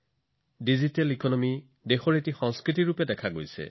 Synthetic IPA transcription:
dizitɛlikɔnɔmi | dexɔɹetixɔ̃ŋskɹitiɹupɛdɛkʰaɡojsɛ̰

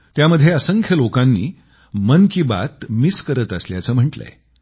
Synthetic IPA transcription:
t̪jaməd̪ʱːjeəsəŋkʰjəlokãnːiː | mənkiːba̰t̪miskəɾət̪əsljat͡səːm̤əɳʈlə̰e

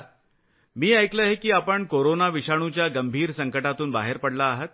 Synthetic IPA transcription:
miːəjkləɦekiːapəɳkoɾonaʋiɕaɽ̃ũt͡ɕjaɡəmbʱiːɾsəŋkəʈat̪uːnba̰ɦeɾpəɽlaːɦət̪̚

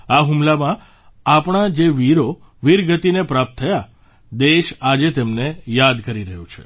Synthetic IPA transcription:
aɦumlamã | apɳ̃ad͡ʒeʋiɾo | ʋiɾɡət̪inepɾap̚t̪ʰːəja | d̪eʃad͡ʒet̪emnejad̪kəɾiɾəɦjũt͡ʃʰe

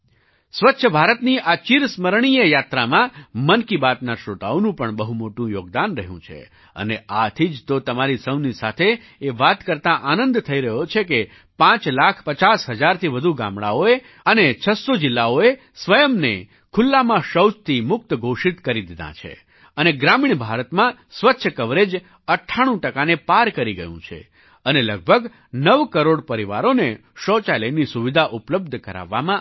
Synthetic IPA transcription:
sʋətːʃʰəbʱaɾət̪niʔat͡ʃiɾsməɾɳ̃ijəjat̪ɾamãmənkibat̪naʃɾot̪a̰onũpəɳbəɦumoʈũjoɡd̪anɾəɦjṵ̃t͡ʃʰḛ | ə̰neat̪ʰid͡ʒt̪ot̪əmaɾisəwnisa̰t̪ʰe | eʋat̪kəɾt̪ãʔanənd̪t̪ʰəiɾəɦjot͡ʃʰeke | pãt͡ʃlakʰpət͡ʃasɦəd͡ʒaɾt̪ʰiʋəd̪ʱuɡa̰mɽa̰oe | ənet͡ʃʰəsod͡ʒɪlːaoe | sʋəjəmnḛ | kʰʊlːamãʃəwt͡ʃt̪ʰimʊk̚t̪ɡʱoʃit̪kəɾid̪id̪ʱã̰t͡ʃʰḛ | əneɡɾamiɳbʱaɾət̪mãsʋətːʃʰkəʋɾed͡ʒ | əʈʰːaɽ̃ũʈəkanepaɾkəɾiɡə̰jṵ̃t͡ʃʰḛ | ənelə̰ɡ̚bʱəɡ | nəʋkəɾoɽpəɾiʋa̰ɾone | ʃɔt͡ʃalənisuʋid̪ʱaʔupləb̚d̪ʱkəɾa̰ʋːa̰mã

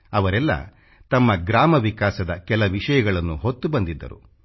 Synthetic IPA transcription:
ɐʋɐɾɛlːɐ̰ | t̪ɐmːɐɡɾaːmɐʋikaːsɐd̪ɐkɛlɐʋiʂɐjɐɡɐɭɐnːuɦot̪ːubɐnd̪id̪ːɐ̰ɾṵ

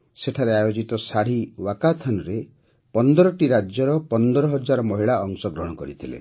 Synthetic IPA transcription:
seʈʰaɾeajod͡ʒit̪ɔsaɽ̤iwakat̪ʰanɔɾe | pɔnd̪ɔɾɔʈiɾad͡ʒjɔɾɔpɔnd̪ɔɾɔɦɔd͡ʒaɾɔmɔɦiɭaɔŋsɔɡɾɔɦɽ̃ɔkɔɾit̪ʰilḛ

